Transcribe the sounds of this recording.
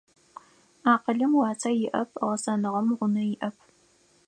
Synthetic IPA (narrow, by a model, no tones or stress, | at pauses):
aːqəɮɨmwɑːt͡sʰaːjɪʔɐpʰʁɐsɐnɨʁɐmʁʷʊnɐjɪʔɐpʰ